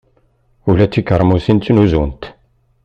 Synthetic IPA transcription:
ulæt͡sːikəɾˤmusint͡s̪ːnuzunt̪

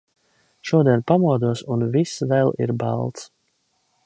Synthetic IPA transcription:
ʃuɔd̪iɛnpamuɔd̪uɔsunvisvɛlˠḭɾba̰lˠt̪s

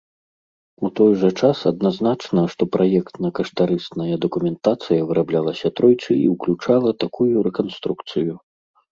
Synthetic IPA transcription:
ut̪ɔjʐɐt͡ʂasɐd̪̚naznat͡ʂnɐʂt̪ɔpɾʔajɛkt̪nɐkɐʂt̪aɾɨst̪nɐjɐd̪ɐkumʲɛnt̪at̪sɨjɐvɨɾʔablʲalˠɐsʲɐt̪ɾɔjt͡ʂɨḭwklʲut͡ʂalˠɐt̪akujuɾɛkanst̪ɾukt̪sɨju

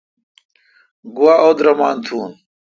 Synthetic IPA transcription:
ɡuwaːod̪ɾɐmaːnt̪ʰuːn

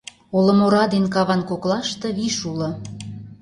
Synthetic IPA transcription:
olə̆moɾɑd̪enkɑβɑnkoklɑʃt̪ɤ̆βiʃulɤ̆

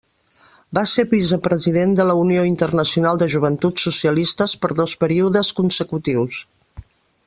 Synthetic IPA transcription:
baseɾβisəpɾəziðend̪ələunioint̪ərnəsiunalˠd̪əʒuβ̞ənt̪utsusiəlist̪əspəɾðospəɾiuðəskunsəkut̪iws

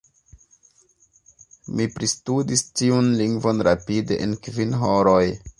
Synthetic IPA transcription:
mipɾistudistiunliŋɡvo̞nɾapideʔenkvinɦoɾoj

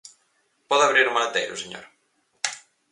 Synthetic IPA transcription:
pɔðɐβɾiɾmanat̪ɛ̰jɾṵseɲo̰ɾ

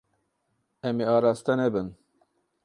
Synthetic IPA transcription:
ɛmeɑːɾɑːst̪anɛbɨn

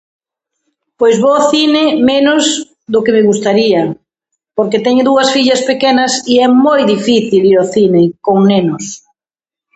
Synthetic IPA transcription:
pojzβoθinɪmenʊz | ðʊkemɪɣust̪aɾiɐ | poɾket̪ɛɲʊðuɐsfiʎɐspekenɐsiɛmojðifiθiliɾɔθinɪkoŋnenʊs

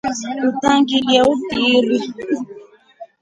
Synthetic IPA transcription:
utaŋɡiljɛupiɾi

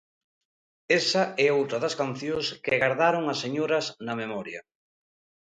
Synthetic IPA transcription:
esɐʔɛowt̪ɾɐðɐskan̟θjoskɪɣaɾðaɾoŋɐsːeɲoɾɐznɐmemɔɾjɐ

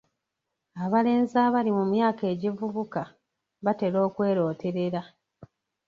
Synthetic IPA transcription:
aβale̞ːnzaːβalimumjaːke̞ːɟivuβuka | βate̞lo̞ːkwe̞ːɾo̞ːte̞ɾe̞ɾa

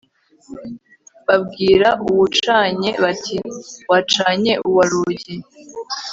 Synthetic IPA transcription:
βabɡiːɾaʔuwut͡ʃaːɲe̞βatʰiwat͡ʃaːɲe̞ʔuwaɾuɟi

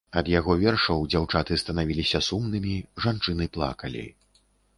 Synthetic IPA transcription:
ɐd̪jaɣɔvʲɛrʂɐwd͡zʲawt͡ʂat̪ɨst̪ɐnavʲilʲisʲɐsumnɨmʲiʐant͡ʂɨnɨplˠa̰kɐlʲḭ

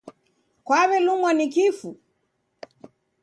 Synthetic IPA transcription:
kwaβɛlumwanikifu

